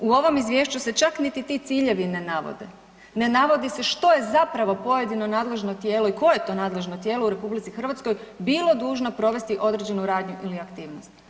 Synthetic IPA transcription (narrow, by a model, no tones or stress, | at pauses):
uo̞ʋo̞mizʋʲje̞ʃt͡ɕuse̞t͡ʃaknit̪it̪it̪siːʎe̞ʋinenaʋo̰d̪ḛ | ne̞naʋo̞d̪ise̞ʃt̪o̞je̞zapɾaʋo̞po̞je̞d̪ino̞naːd̪le̞ʒno̞t̪jeːlo̞iko̞ejet̪o̞naːd̪le̞ʒno̞t̪je̞ːlouɾe̞publit̪sixr̩ʋat̪sko̞j | bilˠo̞d̪uːʒnopɾo̞ʋe̞st̪iʔo̞d̪ɾed͡ʑe̞nuɾaːd̪ɲuʔiliakt̪iːʋnost̪